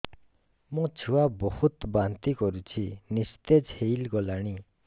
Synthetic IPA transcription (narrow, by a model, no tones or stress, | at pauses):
muŋt͡ɕʰiwabɔhut̪bant̪ikɔɾut͡ɕʰinist̪ed͡ʑʰeilɡɔlaɳi